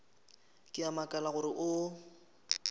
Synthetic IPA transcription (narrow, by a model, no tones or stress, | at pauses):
kʼɪamakʼalaɣʊɾɪʔʊ